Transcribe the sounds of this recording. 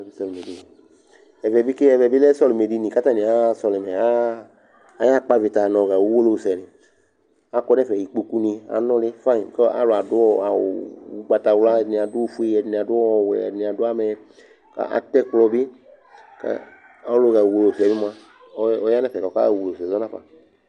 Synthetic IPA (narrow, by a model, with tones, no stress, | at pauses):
i˦sɔ˦lme˨di˨˦n˨ | ɛ˨vɛ˨bi˦ke˦ɛ˨vɛ˨bi˦lɛ˦sɔ˦lu˨me˨di˦nĩ˨ka˦ta˦nĩ˨a˦sɔ˧lɛ˨mɛ˨aː˦ | ja˦k͡pa˦vi˨t̪a˨nɔ̃˨ɣa˨wu˦wo˦lo˦˨sɛ˨ni˨ | a˨kɔ˦nɛ˦fɛ˨ji˨k͡po˦ku˦nĩ˧a̰˨nɔ̃˦lɪ˦fa˦ĩ˨ka̰˨˦lo˨a˨dʊ˦ɔ˦a̰˨u˨˦ɡ͡ba˨ta˨wla˦˨nĩ˨a˨dʊ˦fu˦e˦ɛ˨ni˨a˨dʊ˦ɔ˦˨wɛ̰˨ni˨a˨dʊ˦a˦mɛ˨ | ka̰˦a̰˨t̪ɛ˦klɔ˧bi˦ | ka̰˦ | a˦lo˦˨ɣa˨wo˨lo˨sɛ˨ni˦m˦a˦ | ɔ˦ja˦nɛ˦fɛ˨ka˨ka˦˨wo˨lo˨sɛ˨zɔ˦nã˦pa̰˨